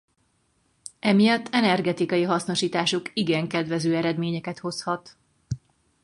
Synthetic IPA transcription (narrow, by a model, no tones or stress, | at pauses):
ɛmijɒt̪ːɛnɛrɡɛt̪ikɒjiɦɒsno̞ʃiːt̪aːʃukiɡɛŋkɛd̪ʋɛzøːɛɾɛd̪meːɲɛkɛt̪ho̞shɒt̪